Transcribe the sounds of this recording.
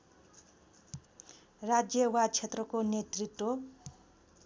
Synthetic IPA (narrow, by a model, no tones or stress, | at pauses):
rad͡zjʌwat͡sʰet̪rʌkonet̪rit̪ːo